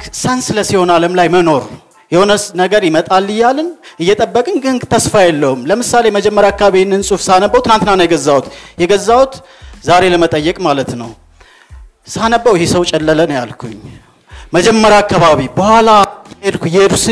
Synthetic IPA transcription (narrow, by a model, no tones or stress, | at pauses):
sənsɨləsiho̞naləmlajməno̞ɾ | jɛho̞nənəɡəɾjɪmət̪ʼalːɨjːalɨnɨjːɛt̪ʼəbːəkʼɨnɡɨŋɡt̪ʰəsfajɛlːəhumləmɨsale̞məd͡ʒɛmːəɾjakːaβaβinːɨnsʼufsanəbːəwt̪ʰɨnant̪ɨnanjɛɡəzːawut̪jɛɡəzːawut̪ | zaɾe̞ləmət̪ʼəjːɛkʼmalət̪nəw | sanəbːəwɪhesəwt͡ʃʼɛlːələnja̰lkʰuɲː | məd͡ʒɛmːəɾjaːkːaβaβibəhʷalajed̪kujed̪usɨ